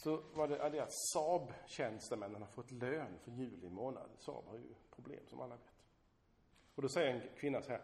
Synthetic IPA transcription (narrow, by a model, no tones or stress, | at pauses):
sɔvaɖɛʔad̪ɛat̪sɑːbɕɛnst̪əmɛnːanhaɾfɔt̪ːløːnfœɾjʉ̟ːlɪmoːna̰d̪sɑ̰ːbhaɾjɵ̰pʰɾʊblḛːmsɔmʔalːaveːt̪ | ɔd̪ɔsɛjːəɾɛnkʰvɪnːasɔhæːɾ